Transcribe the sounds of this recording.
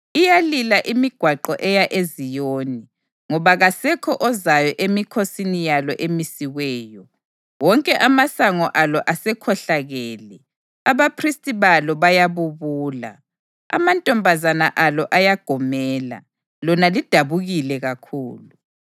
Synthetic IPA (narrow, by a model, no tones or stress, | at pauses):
ijalilaʔimiɡ̥ʱwaǃɔʔɛjaʔezijoːni | ŋɔβaɣasɛkʰɔʔɔzajɔʔemikʰosinijalɔʔemisiɣɛːjɔ | wɔŋkʼɛʔamasaŋɔʔalɔʔasɛkʰɔɬaɣɛːlɛ | aβapʰristʼiβalɔβajaβuβuːla̰ | a̰mantʼɔmbʱazanaʔalɔʔajaɡ̥ʱɔmɛːla̰ | lɔnalid̥ʱaβuɣilɛɣakʰuːlu